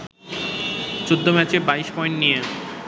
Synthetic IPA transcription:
t͡ɕod̪ʱːomɛt͡ɕebaiʃpɔjɳʈnije

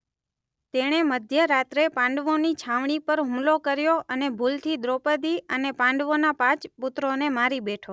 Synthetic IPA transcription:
t̪eɽ̃eməd̪ʱjəɾat̪ɾepãɳɖʋonit͡ʃʰãʋɳ̃ipəɾɦumlokəɾjoʔənebʱult̪ʰid̪ɾopəd̪iənepãɳɖʋonapãt͡ʃput̪ɾonemaɾibeʈʰo

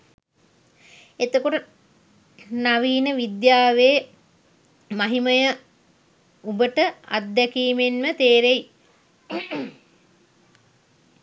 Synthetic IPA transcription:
et̪okoʈə | naʋiːnəʋid̪jaːʋeː | maɦiməjə | ubəʈəʔa̰t̪d̪ɛkiːmenmət̪eːɾej

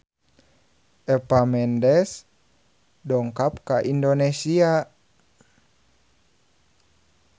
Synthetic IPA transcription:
ʔɛpamɛndɛs | dɔŋkap̚kaʔindonɛsia

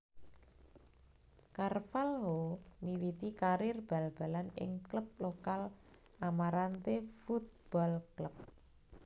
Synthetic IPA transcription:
karfalɦomiwit̪ikaɾɪrb̥a̤lb̥a̤lanɪ̰ŋkləp̚lokal | ʔamaɾant̪efut̪̚b̥ɔlkləp̚

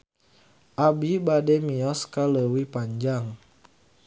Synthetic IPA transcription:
ʔabibademiɔskaləwipaɲd͡ʒaŋ

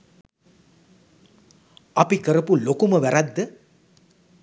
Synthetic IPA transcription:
ɐpikəɾɐpulokuməʋæɾɐd̪ːə

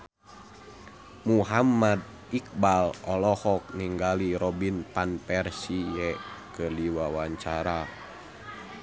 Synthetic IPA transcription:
muɦamad̪̚ | ik̚balɔlɔhɔk̚niŋɡaliɾɔbinpanpɛrsijɛkəliwawaɲt͡ʃaɾa

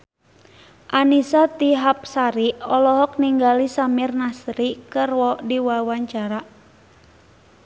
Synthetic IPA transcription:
ʔanisat̪iɦap̚saɾiɔlɔɦɔk̚niŋɡalisamɪrnasɾikərwɔdiwawaɲt͡ʃaɾa

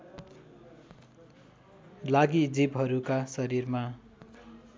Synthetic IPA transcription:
laɡid͡zibɦʌɾukasʌɾirma

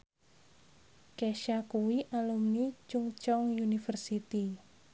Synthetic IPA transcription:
keʃakuwiʔalumnit͡ʃuŋt͡ʃɔŋjunifərsit̪i

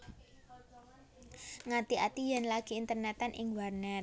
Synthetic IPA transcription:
ŋat̪iʔat̪ijanlaɡ̥i̤ːnt̪ərnɛt̪anʔɪŋwarnɛr

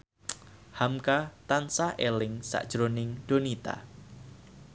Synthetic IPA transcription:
hamkat̪ansaʔelɪŋsa̰ʔd̥ʒ̥ɾonɪŋɖ̥o̤nit̪a̰

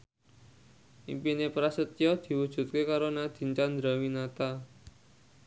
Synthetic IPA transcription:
ʔḭmpinepɾasət̪ijɔd̪̥i̤wud̥ʒ̥ṳt̪̚kekaɾonad̪̥i̤ɲt͡ʃand̪ɾawinat̪a

